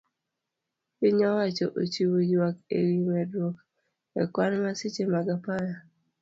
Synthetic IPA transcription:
ɪɲɔwat͡ʃɔʔo̰t͡ʃiwod͡ʒwakḛɾiwɛdwɔk | ɛ̰kwanmasit͡ʃemaɡapaja

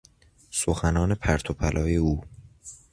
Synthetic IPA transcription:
soxænɒːne̞pʰæɾt̪ʰopʰælʔɒːjeuː

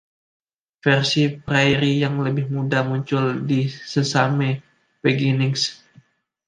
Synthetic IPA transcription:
fɛrsipɾajɾijaŋləbɪhmudamuɲt͡ʃʊldisəsamɛ | pəɡinɪŋs

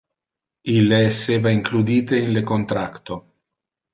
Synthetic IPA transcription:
ilːeːsːeːvaiŋklud̪iːt̪einlekont̪ɾakt̪o

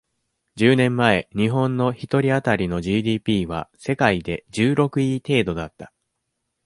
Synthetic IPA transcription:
d͡ʑɨːnẽ̞mːae̞ɲ̟iɦõ̞nːo̞çit̪o̞ɾʲiat̪aɾʲino̞ʑiːd̪ʲiːpʲiːβ̞a̰se̞kaid̪e̞d͡ʑɨːɾo̞kɯ̟it̪e̞ːd̪o̞d̪at̪ːḁ

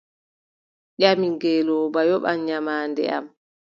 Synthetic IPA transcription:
ɗamiŋɡɛlɔbajɔɓamɲamaːndɛ̰a̰m

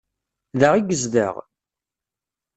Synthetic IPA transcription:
ðəʁiɡəzd̪ə̰ʁ

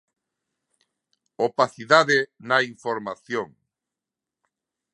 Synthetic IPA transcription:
opaθiðaðenaiɱfoɾmaθjoŋ

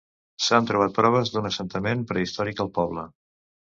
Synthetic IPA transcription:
sant̪ɾuβ̞at̪̚pɾɔβ̞əzd̪unəsənt̪əmenpɾəist̪ɔɾikəlˠpɔβlə

